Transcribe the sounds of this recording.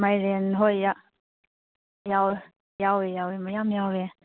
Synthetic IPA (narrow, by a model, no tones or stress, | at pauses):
majɾenɦojja | jaw | jawejawemajamjawe